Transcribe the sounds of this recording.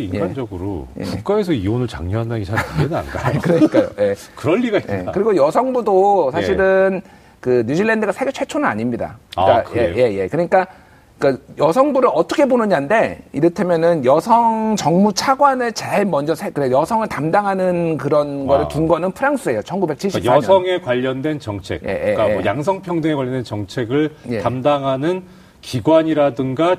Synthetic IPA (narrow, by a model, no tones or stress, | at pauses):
ijead͡ʑʌɡɯɾo̰jekuk͈aes̬ʰʌionɯɭt͡ɕa̰ŋɲʌɦandaɡit͡ɕʰaaeda̰nɡa̰kɯɾʌɲik͈ajo̰je̞kɯɾʌnːiɡaiḛkɯɾiɡojʌsʰʌŋbudosʰaɕʰiɾɯn | kɯɲud͡ʑiɭːendɯɡasʰeɡet͡ɕʰet͡ɕʰonɯna̰ɲimɲida̰k͈akeje̞je̞kɯɲik͈a | k͈ajʌsʰʌŋbuɾɯɭʌt͈ʌkʰebonɯɲande̞iɾʌtʰamjʌnɯnjʌsʰʌŋt͡ɕʌŋmut͡ɕʰaɡwanɯɭt͡ɕaɭmʌnd͡ʑʌsʰekɯɾejʌsʰʌŋɯɭtamdaŋɦanɯnkɯɾʌnɡʌɾɯɭkiŋɡwʌnɯnpʰɯɾaŋs͈ɯe̞jot͡ɕʰʌnɡube̞k̚t͡ɕʰiɭɕjʌsʰʌŋe̞kwaʎːʌndwe̞nt͡ɕʌŋt͡ɕʰe̞̰kjḛḛkjaŋsʰʌŋpʰjʌŋdɯŋekwaʎjʌndwent͡ɕʌŋt͡ɕʰe̞ɡɯɭjetamdaŋɦanɯn | kiɡwaɲiɾadɯŋɡa